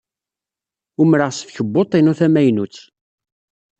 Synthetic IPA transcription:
ʊmɾəʁsə̥fçəbːot̪ˤːinuθæmæjnut͡sː

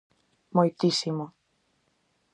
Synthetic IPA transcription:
mojt̪isimo

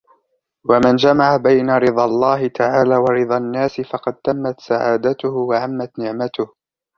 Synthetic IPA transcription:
wamand͡ʒamaʕabajnaɾɨd̪ˤɑlˤːɑːɦɪt̪aʕaːlaːwɑɾɨd̪ˤanːaːsɪfɑqɑd̪̚t̪amːat̪saʕaːd̪at̪ʊhʊwaʔamːat̪nɪʕmat̪ʊh

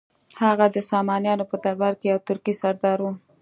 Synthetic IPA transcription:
haɣad̪əsɑmɑnjɑnopəd̪aɾbaɾkejawt̪ʊɾkisaɾd̪ɑɾwu

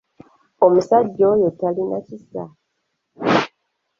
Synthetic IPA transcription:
omusaɟːojotalinacisa̰

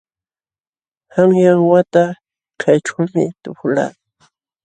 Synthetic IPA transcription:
haŋjaŋwat̪a | kʰajʈ͡ʂawmɪ̰t̪ʊpʊla̰ː

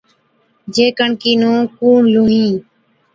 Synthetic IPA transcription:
d͡ʒeːkəɳkiːnũːkuːɳluːɦĩː

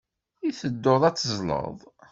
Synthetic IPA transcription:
iθəd̪ːoðˤæt͡sːəzˤlə̰ðˤ

